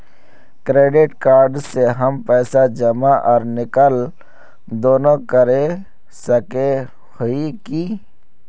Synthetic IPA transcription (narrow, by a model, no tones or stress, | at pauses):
kɾeːɖɪʈkaːɾɖseɦəmpɛːsad͡ʒəmaʔɔːɾnɪkəl | d̪oːnokəɾe | səke | hʊiki